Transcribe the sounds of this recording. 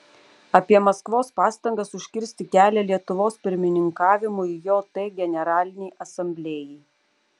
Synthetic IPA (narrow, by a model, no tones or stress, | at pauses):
ɐpʲiɛmɐskʋoːspɑːst̪ɐŋɡɐsʊʃʲkʲɪɾʲsʲt̪ʲɪkʲæːlʲɛlʲiɛt̪ʊʋoːspʲɪɾʲmʲɪnʲɪŋkɑːʋʲɪmʊɪjoːt̪ɐɪɡʲɛnʲɛɾɑːlʲɪnʲɛɪʔɐsɐmʲbʲlʲeːjɛɪ